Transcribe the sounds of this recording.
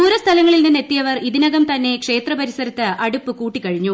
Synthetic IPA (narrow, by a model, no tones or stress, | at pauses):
uːɾɐst̪ʰɐlɐŋːɐɭilninːe̞t̪ːijɐʋɐriðinɐɣɐmt̪ɐnːe̞kʂe̞ːt̪rɐpɐɾisɐɾɐt̪ːɨɐɽupːɨkuːʈːikːɐɻiɲːu